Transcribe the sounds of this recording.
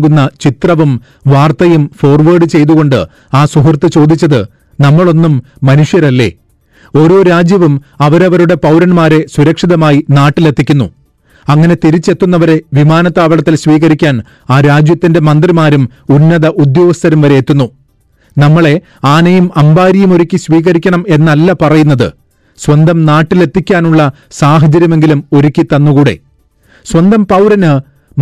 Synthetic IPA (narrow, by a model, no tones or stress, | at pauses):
ɡunːɐt͡ɕit̪rɐʋum | ʋaːrt̪ɐjumfo̞ːrʋɐːɖɨt͡ɕe̞jt̪uɣo̞ɳɖɨ | aːsuɦɐrt̪ːɨt͡ɕo̞ːd̪ʱit͡ɕːɐðɨ | nɐmːɐɭo̞nːumː | ɐnuʂjɐɾɐlːe̞̰ | o̞ɾo̞ːɾaːd͡ʑjɐʋum | ɐʋɐɾɐʋɐɾuɽe̞pɐwɾɐnmaːɾe̞suɾɐkʂiðɐmaːjinaːʈːilet̪ʰːikʲːunːṵ | ɐŋːɐne̞t̪iɾit͡ɕːe̞t̪ːunːɐʋɐɾe̞ʋimaːnɐt̪ːaːʋɐɭɐt̪ːilɕʋiːɣɐɾikʲːaːn | aːɾaːd͡ʑjɐt̪ːinde̞mɐnd̪rimaːɾum | unːɐðɐʔud̪jo̞ːɡɐst̪ɐɾɐmʋɐɾeet̪ːunːu | nɐmːɐɭe̞ | aːnɐjumɐmbaːɾijɐmo̞ɾikʲːiɕʋiːɣɐɾikʲːɐɳɐme̞nːɐlːɐpɐrɐjunːɐðɨ̰ | swɐnd̪ɐmnaːʈːile̞t̪ʰːikʲːaːnuɭːɐ | saːɦɐd͡ʑɐɾjɐme̞ŋɡilumo̞ɾikʲːit̪ɐnːuɣuːɽe̞̰ | swɐnd̪ɐmpɐwɾɐnɨ | m